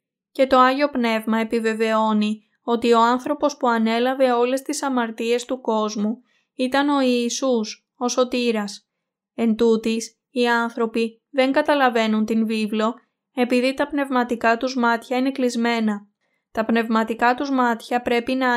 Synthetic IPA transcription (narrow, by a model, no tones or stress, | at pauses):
ce̞t̪o̞ɐʝo̞pne̞vmɐe̞pive̞ve̞o̞ni | o̞t̪io̞ɐnθɾo̞po̞spuɐne̞lɐve̞o̞le̞st̪isɐmɐɾt̪ie̞st̪uko̞zmu | it̪ɐno̞iːsus | o̞so̞t̪iɾɐs | e̞nd̪ut̪is | iɐnθɾo̞pi | ðe̞ŋɡɐt̪ɐlɐve̞nunt̪invivlo̞ | e̞piðit̪ɐpne̞vmɐt̪ikɐt̪uzmɐt̪çɐine̞klizme̞nɐ | t̪ɐpne̞vmɐt̪ikɐt̪uzmɐt̪çɐpɾe̞pinɐ